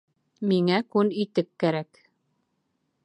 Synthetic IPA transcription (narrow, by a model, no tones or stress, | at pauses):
miŋækʉnit̪ɘkːæɾæk